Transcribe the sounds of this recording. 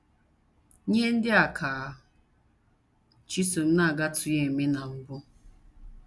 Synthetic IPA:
ɲe˦n̩˦dɪ˦a˨kʰaː˨˦˨ | t͡ʃi˦so˨m̩˦na˦˨ɡa˦tʰʊ˨je˨me˦na˨m̩˦bʊ˦

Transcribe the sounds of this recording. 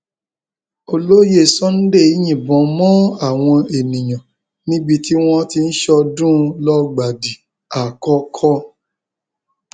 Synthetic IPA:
o˧lo˦je˦˨sɔ̃˦n̩˦de˦˨i˨˦j̃ĩ˨bɔ̃˨˦mɔ̃˦a˦˨w̃ɔ̃˧e˨nĩ˨j̃ɔ̃˨ | nĩ˦bi˧ti˦w̃ɔ̃˦ti˧n̩˦ʃɔ˧dũ˦˧lɔ˦ɡ͡ba˨di˨ | a˨kɔ˧kʰɔ˦

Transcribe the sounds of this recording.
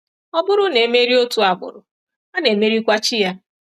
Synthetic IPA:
ɔ˦bʊ˦ɾʊ˦ne˨˦me˦ɾi˦o˦tu˨a˨bʊ̰˨ɾʊ˨ | a˦ne˨me˦ɾi˦kʷa˦t͡ʃɪ˦ja˦

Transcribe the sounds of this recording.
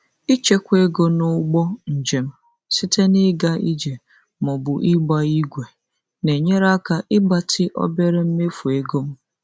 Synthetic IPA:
i˦t͡ʃe˦kʷe˦ɡo˦nʊ˦ɡ͡bɔ˦n̩˨d͡ʒe˨m̩˦ | si˦tʰe˦nɪ˦ɡa˦i˦d͡ʒe˨ | mʊ˨bʊ˨ʔɪ˦ɡ͡ba˦i˦ɡʷe˨ | ne˨ɲe˦ɾa˦ka˨ʔɪ˦ɡ͡ba˨tʰɪ˦ʔɔ̰˦be˦ɾe˦m̩˦me˦fu˨e˦ɡo˦m̩˦

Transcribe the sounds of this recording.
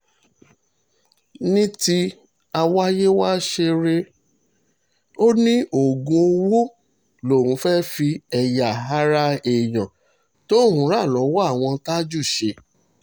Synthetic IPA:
nĩ˦ti˦ | a˧wa˦je˦wa˦ʃe˧ɾe˦ | o˦nĩ˦o˨ɡũ˧o˧wo˦ | lo˨ɾũ˨˧˦fɛ˦fi˧ɛ˧ja˨ɦa˦ɾa˦e˨j̃ã˨ | to˦˨ɦũ˨˦ɾa˦˨lɔ˨˦wɔ˦a˦˨w̃ɔ̃˧ta˦d͡ʒu˦˨ʃe˧

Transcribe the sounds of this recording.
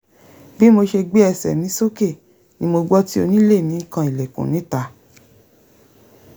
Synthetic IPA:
bi˦mo˧ʃe˧ɡ͡be˦ɛ˧˨sɛ̰˨nĩ˨˦so˦ke˦˨ | nĩ˧˦mo˧ɡ͡bɔ˦ti˦o˧nĩ˦le˦˨nĩ˨˦kã˧i˨lɛ˨kṵ̃˨nĩ˨˦ta˧

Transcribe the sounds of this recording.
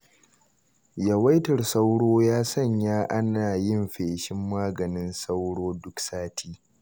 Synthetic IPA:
jɐ˨wɐ˦jtɐ˨rsa˦wɽoː˦jaː˦sɐ˦˨ɲjaː˦ʔa˦naː˨jɪ˦mɸeː˨ʃɪ˦mːaː˦ɡɐ˨nɪ˦nsa˦wɽoː˦dʊ˦ksaː˦tʰiː˦

